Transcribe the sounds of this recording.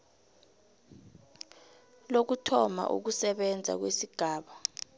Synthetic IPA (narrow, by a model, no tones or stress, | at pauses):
lok̬utʰɔma̰ʔṵk̬usɛɓɛnd͡zʱa̰k̬wesiɡ̥ʱaːɓa